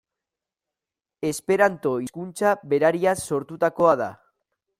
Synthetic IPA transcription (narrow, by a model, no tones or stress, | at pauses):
e̞spe̞ɾant̪o̞iskunt͡ʃaβe̞ɾaɾiaso̞ɾt̪ut̪ako̞að̞a̰